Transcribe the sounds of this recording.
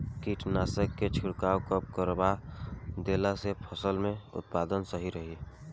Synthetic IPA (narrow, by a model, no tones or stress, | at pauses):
kiʈnaːsəkːet͡ʃʰuɽkaːwkəp̚kəɾbad̪eːlasepʰəsəlmẽʊ̰t̪̚paːd̪ənsəɦiɾəɦi